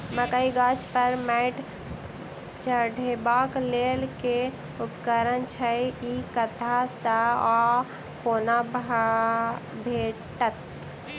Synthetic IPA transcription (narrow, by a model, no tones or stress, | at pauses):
məkaiɡat͡ʃpəɾmɛɪʈ | t͡ʃəɖʱebaklelke | upkəɾənt͡ʃʰəikət̪ʰasəa | koːnab | bʱeʈət̪